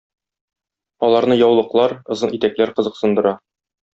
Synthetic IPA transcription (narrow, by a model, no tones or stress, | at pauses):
ɒlˠɑɾnɤjɒwlˠɤ̆qlˠɑɾɤ̆zɤnit̪æklæɾqɤ̆zɤ̆qsɤ̆nd̪ɤ̆ɾɑ